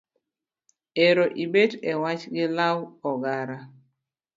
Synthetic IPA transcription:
eɾoʔibedewat͡ʃɡɪlawɔɡaɾa

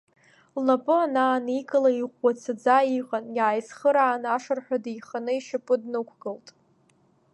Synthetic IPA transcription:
lnapʼɨanaːnikʼalaiʁʷat͡sʰad͡zaiqʼanjaːjsχəɾaːnaʂɨrħᶣadijχanɨiʃapʼɨdnɨkʷʰɡɨltʼ

